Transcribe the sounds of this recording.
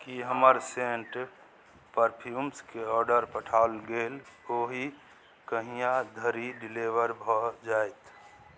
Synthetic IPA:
kiɦəməɾseɳʈ | pəɾpʰjumskeɔɾɖəɾpəʈʰaʊlɡeloɦi | kəɦijãd̪ʱəɾiɖileʋəɾbʱɔd͡ʒajt̪

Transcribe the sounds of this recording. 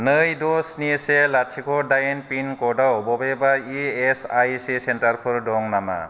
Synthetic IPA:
nɯjdɔsniselat͡ʃʰikʰɔdajenpinkɔdawbɔbebaiesajsisentaɾpʰɯɾdɔŋnama̰

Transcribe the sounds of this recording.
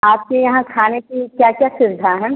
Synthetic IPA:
aːp̚kejɐɦãkʰaːnekikjaːkjaːsɪɾd̪ʱaɦɛ̃ː

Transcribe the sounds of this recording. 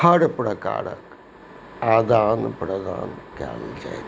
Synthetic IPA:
ɐɽpɾɐka̰ːɽə̰k | aːd̪aːnpɾɐd̪a̰ːnkja̰ːld͡ʒa̰ḛ

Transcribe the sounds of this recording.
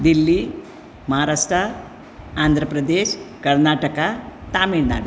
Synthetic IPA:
d̪ilːi | mɐɦaːɾaːʂʈʰɐ | aːnd̪ʱɾɐpɾɐd̪eːʃkɐɾnaːʈɐkɐt̪aːmiɾna̰ːɽu

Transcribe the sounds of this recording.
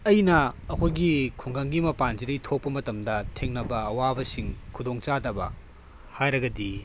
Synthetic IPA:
ɐjnɐɐkʰojɡikʰuŋɡaŋɡimɐpanziɾɐjtʰok̚pɐmɐtɐmdɐtʰeŋnɐbɐɐwabɐsiŋkʰudoŋt͡ʃadɐbɐ̰ | hajɾɐɡɐdi

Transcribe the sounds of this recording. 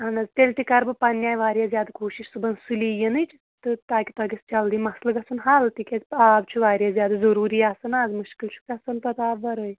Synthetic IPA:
ɐnɐzt̪elʲt̪ikaɾbɐpanːjaːjʋaːɾʲjazjaːd̪kʰoːʃiʃsubɐnsulijenɐjt͡ʃi | t̪ɨt̪aːkʲit̪aɡʲist͡ʃɐld̪imɐslɐɡɐsunɦalt̪ikʲeabt͡ʃʰuʋaːɾjazʲjaːd̪ɐzɐɾuːɾiːasɐnaːd͡zmuʃkilt͡ʃʰu̥kɐsɐnt̪ɐt̪aːbʋɐɾəj

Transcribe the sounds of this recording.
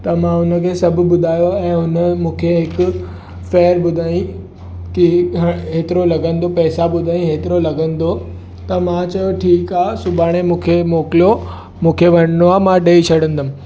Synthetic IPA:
t̪ɐmãʊnə̆kʰeːsɐbʱʊ̆bʊd̪ʱaːjoɛ̃ːʊnəmũːkʰeɦɪkʊ̆ | feːɾɓʊd̪ʱaːĩ | kiɦɦeːt̪ɪɾolɐɡə̃nd̪opɛɦsaɓʊd̪ʱaːĩɦeːt̪ɪɾolɐɡə̃nd̪o | t̪ɐmãt͡ɕɐjoʈʰiːkaːsʊbaːɽ̃emũːkʰemoːkɪlijo | mũːkʰeʋɐñənoaːmãɗeit͡ɕʰɐɽə̃nd̪əmɪ̃̆

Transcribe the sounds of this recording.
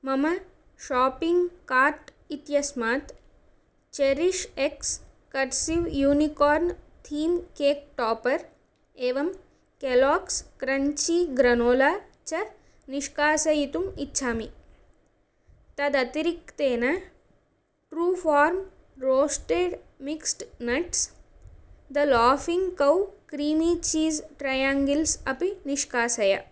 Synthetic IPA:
mɐmɐ | ʃaːpiŋɡkaːɾʈ | it̪jɐsmaːt̪ | t͡ʃeɾiʃeks | kɐʈsiʋjuːnikɔːɾnt̪ʰiːmkeːk̚ʈɔːpɐɾ | eːʋɐm | kelɔːkskɾɐɲt͡ʃiɡɾɐnoːlaː | t͡ʃɐɾ | niʃkaːsɐjit̪umitːʃʰaːmi | t̪ɐd̪ɐt̪iɾik̚t̪eːnɐ | ʈɾuːfʰaːɾm | ɾoːsʈeːɖmiksʈnɐʈs | d̪ɐlaːfiŋɡkɐwkɾiːmiːt͡ʃiːzʈɾajaːŋɡilsɐpiniʃkaːsɐja̰

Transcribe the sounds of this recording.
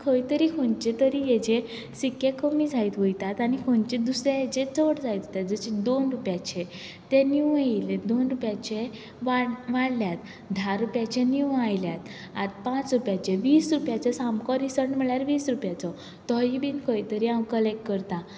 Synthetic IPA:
kʰəjt̪əɾikʰont͡ɕẽt̪əɾijed͡ʑe | sikːekəmid͡zait̪ʋəjt̪at̪anikʰont͡ɕed̪usɾẽed͡ʑẽt͡səɽd͡zajt̪ot̪jat̪̚d͡zəɕĩd̪onɾupjat͡ɕẽ | t̪eniwailed̪onɾupjat͡ɕe | ʋaɽʋaɽljat̪ | d̪ʱaɾupjat͡ɕẽniwajljat̪ | at̪pãt͡sɾupjat͡ɕeʋiːsɾupjat͡ɕɔsamkɔɾisəɳm̤əɭjaɾʋiːsɾupjat͡sɔ | t̪ɔjibiːnkʰəjt̪əɾiãkəlekʈkəɾt̪ã

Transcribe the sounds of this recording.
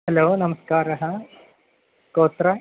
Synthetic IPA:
ɦɐloːnɐmɐskaːɾɐɦɐ | koːt̪ɾɐ

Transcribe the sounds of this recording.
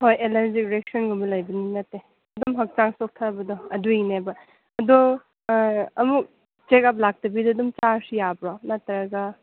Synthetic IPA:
hojelɐɾzik̚ɾek̚sɔnɡɔmbɐlajbɐninɐtːe | ɐdɔmɦɐk̚t͡ʃaŋsok̚tʰabɐdɔɐduinebɐ | ɐdɔ | ɐmuk̚ | t͡ʃekap̬̚lak̚tɐbidɔːdumt͡ʃaɾsijabɾɔnatːɐɾɐɡɐ

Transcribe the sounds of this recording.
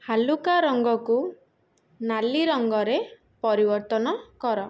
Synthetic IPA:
halukaɾɔŋɡɔku | naliɾɔŋɡɔɾe | pɔɾibɔɾt̪ɔnɔkɔɾɔ

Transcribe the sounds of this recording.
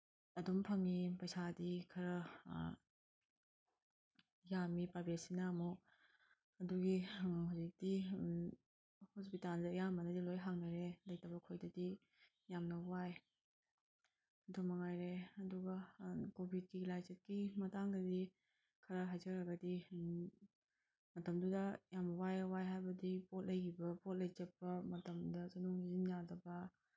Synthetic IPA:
ɐdumpʰɐŋipɐjsadikʰɐɾɐ | jamipabesinɐːmuk | ɐduɡihuzik̚di | hospitandɐjamɐnɐdilojɦaŋnɐɾelɐjtɐbɐkʰojdɐdi | jamnɐwaj | dʰomɐŋajɾeɐduɡɐkobʱit̚ɡilajd͡ʒet̚kimɐtaŋɡɐdi | kʰɐɾaɦajzɐɾɐɡɐdi | mɐtɐmdudɐjamnɐwajɐwajɦajbɐdipot̚lɐjkʰibɐpot̚lɐjd͡ʒɐpːɐmɐtɐmdɐzɐnuŋnizind͡ʒadɐbɐ

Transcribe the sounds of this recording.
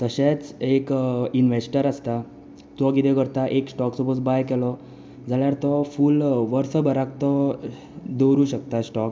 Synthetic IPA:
t̪əɕet͡sekinʋesʈəɾast̪a | t̪ɔɡid̪ekəɾt̪aʔeksʈɔksubɔt͡sbajkɛlɔ | d͡zaljaɾt̪ɔfuːlʋəɾsəbəɾakt̪ɔ | d̪oɾuːɕək̚t̪asʈɔk

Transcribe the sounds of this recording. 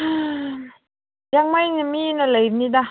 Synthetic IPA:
jaŋmajnaminalajnida

